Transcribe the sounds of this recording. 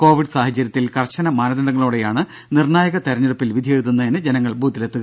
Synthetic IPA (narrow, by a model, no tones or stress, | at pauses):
ko̞ːʋiɖɨsaːhɐt͡ɕːɐɾjɐt̪ːilkɐrt͡ɕːɐnɐmaːnɐðɐɖɐŋːɐɭoːɽejaːɳɨ | nirɳaːjɐɣɐt̪eɾɐɲːuɽupːilʋid̪ʱijeɻuðunːɐenɨd͡ʑenɐŋːɐɭbʱuːd̪ilet̪ːuɣɐ